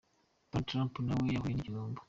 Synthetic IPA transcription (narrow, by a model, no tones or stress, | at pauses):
patɾãmpunawejaβajeniciɾoːmbo̥